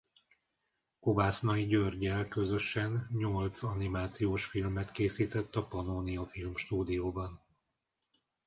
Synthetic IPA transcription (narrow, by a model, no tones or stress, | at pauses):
kovaːsnɒiɟørɟɛlkø̞zø̞ʃɛnɲolt̪sɒnimaːt̪sijoːʃfilmɛt̪keːsiːt̪ɛt̪ːɒpɒnoːniɒfilmʃt̪uːd̪ijoːbɒn